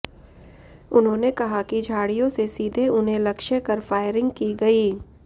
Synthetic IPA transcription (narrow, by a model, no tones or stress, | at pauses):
ʊnɦõːnekɐɦakid͡ʒʱaːɽijõsesiːd̪ʱeʊnɦẽlɐkʃekɐɾfaːɪɾɪ̃ŋɡkiɡɐiː